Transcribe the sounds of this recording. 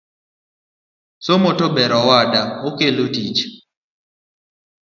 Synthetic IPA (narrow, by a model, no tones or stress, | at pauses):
somɔtɔbɛɾɔwadaokelotit͡ʃ